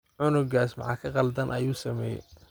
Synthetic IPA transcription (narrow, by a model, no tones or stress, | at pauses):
ʕʊnʊɡaːsmɑ̰ʕɑ̰ːkʰɐqɑld̪ɐnʔɐjuːsɐmɛːjɛ̰